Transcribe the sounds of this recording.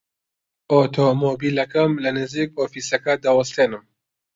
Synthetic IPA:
ʔot̪ʰomoːbiːlɐkɐmlɐnɨziːk̚oːfiːsɐkɐd̪ɐwɐst̪eːnɨm

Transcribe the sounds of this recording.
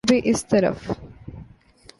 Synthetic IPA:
biʔɪst̪əɾə̰f

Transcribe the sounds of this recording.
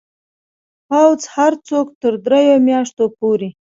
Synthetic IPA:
pawzhaɾt͡sokt̪əɾd̪ɾejomjɑʂt̪opoɾe

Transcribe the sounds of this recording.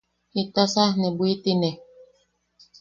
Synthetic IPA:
it̪asahnebuit̪ine

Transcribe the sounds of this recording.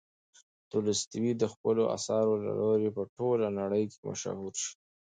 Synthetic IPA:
t̪ulɪst̪wid̪əxpəloʔa̰sɑɾola̰loɾepəʈolanaɽəjkema̰ʃa̰huɾʃi̥

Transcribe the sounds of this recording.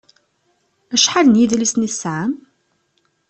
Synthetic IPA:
æʃħalənjiðlisniθsʕam

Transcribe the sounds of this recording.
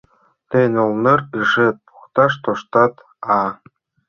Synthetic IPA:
t̪enʲolnɤrɯʐet̪̚pu̥χt̪ɑʃt̪oʃt̪ɑt̪ | ɑ

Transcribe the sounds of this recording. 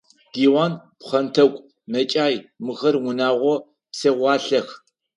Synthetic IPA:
ɡ̥iːwaːnpχɐntʰɐkʷʼ | mɐt͡ʃʼaːjmɨxɐrŋʷʊnaːʁʷɔ | psɐʁʷɑːɬɐx

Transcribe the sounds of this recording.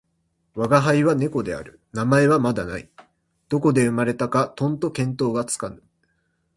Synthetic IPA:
βaɡaɦaiβane̞ko̞d̪e̞a̰ɾɯ̟ | namae̞βamad̪ana̰i | d̪̥o̞ko̞d̪e̞ɯ̟maɾe̞t̪akat̪õ̞nt̪o̞kẽ̞nt̪o̞ːɡat͡sɨ̥kanɯ

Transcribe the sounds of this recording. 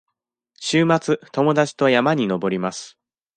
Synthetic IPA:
ɕɨːmat͡sɨt̪o̞mo̞d̪at͡ɕi̥t̪o̞jamaɲ̟ino̞bo̞ɾʲimasɨ̥

